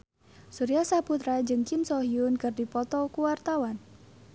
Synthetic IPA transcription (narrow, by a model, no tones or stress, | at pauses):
suɾiasaput̪ɾad͡ʒɨŋt͡ʃɪmsɔɦiʊnkɨrdipɔt̪ɔkuwart̪awan